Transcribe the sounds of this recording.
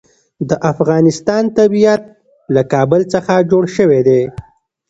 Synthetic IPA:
d̪əʔafɣɑnɪst̪ɑnt̪abijat̪̚ | lakɑbəlt͡səxad͡ʒoɽʃəwed̪e

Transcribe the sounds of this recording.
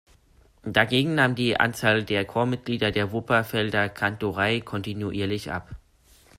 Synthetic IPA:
d̥aɡeːɡŋ̩naːmdiːʔa̰nt͡saːldeːɐkʰoːɐmɪt̚ɡ̥liːdɐdeːɐvʊpɐfɛldɐkʰantoʁaɪkʰɔntinuʔiːɐlɪçʔa̰p

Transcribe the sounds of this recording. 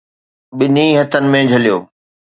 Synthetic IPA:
ɓɪniɦɐt̪ʰənɪ̆mẽd͡ʑʱɐlijoː

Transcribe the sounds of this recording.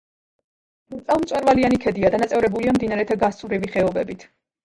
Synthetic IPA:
mʼɛlˠmt̪sʼwɛɾvalianikʰɛd̪iad̪anat̪sʼɛvɾɛbuliamd̪inaɾɛt̪ʰaɡast̪ʼmɾiviχɛɔbɛbit̪ʰ

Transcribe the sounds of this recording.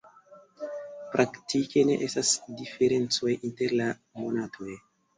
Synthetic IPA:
pɾʔaktike̞ne̞̰ʔestasdife̞ɾe̞nt͡so̞jʔinte̞ɾla | mo̞natʰo̞j

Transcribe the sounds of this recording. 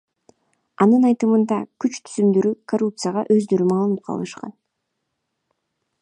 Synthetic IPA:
ɑnɯnɑjt̪ɯmɯnd̪ɑkyt͡ʃt̪ʰy̥zymd̪ø̞ɾykorup̚t̪sɨjaʁɑ̰ʔø̞zd̪øɾymɑːlˠɯnɯp̚qʰɑ̰l̰ˠnɯʃqɑ̰n

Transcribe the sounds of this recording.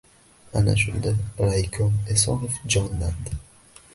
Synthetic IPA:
ana̰ʃʊ̰nd̪aɾajkʰɔnesɒ̰nofd͡ʒɒnland̪ɪ

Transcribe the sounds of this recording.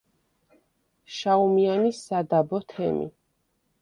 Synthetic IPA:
ʃaumianisad̪abɔt̪ʰɛ̰mḭ

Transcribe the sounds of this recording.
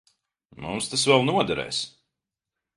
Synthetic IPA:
mumst̪asvɛlˠnuɔd̪ɛɾɛ̰ːs

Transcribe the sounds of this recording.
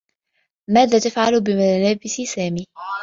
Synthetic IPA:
maːðaːt̪afʕalbɪmalaːbɪsɪsaːmiː

